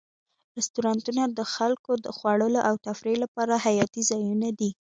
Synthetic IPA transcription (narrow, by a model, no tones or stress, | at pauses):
ɾɪst̪uɾɑnt̪unad̪əxalkod̪əxwaɽəloʔawt̪afɾelapɑɾaɦajɑt̪izɑjunad̪i